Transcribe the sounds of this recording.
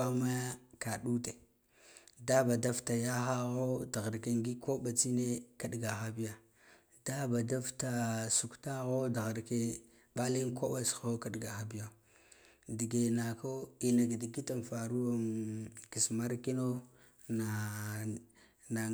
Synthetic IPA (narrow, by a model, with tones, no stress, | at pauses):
a˦ma˦ka˨ɗu˦te˨ | da˦ba˨da˦fta˨ja˦xa˦ɣo˦da˨ɣa˨ɾke˦ŋɡi˦ko˦ɓa˨t͡si˦ne˦ka˦ɗɡa˨xa˦bi˦ja˨ | d̥a˦ba˨da˦fta˨su˨kta˦ɣo˦da˨ɣa˨ɾke˦ | ba˦li˦nko˦ba˨sxo˦ka˨ɗɡa˨xa˨bi˦ja˦˨ | di˨ɡe˨na˨ko˦i˨na˨ɡdi˨ɡi˦ta˨n˨fa˨ɾu˦o˦mki˨sma˦ɾki˦no˦ | na˨ | na˨